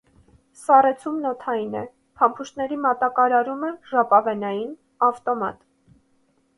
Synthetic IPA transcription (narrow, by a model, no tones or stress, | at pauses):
sɑrɛt͡sʰumnɔt̪ʰɑjinɛ̰ | pʰɑmpʰuʃnɛɾimɑt̪ɑkɑɾɑɾuməʒɑpɑvɛnɑjin | ɑft̪ɔmɑ̰t̪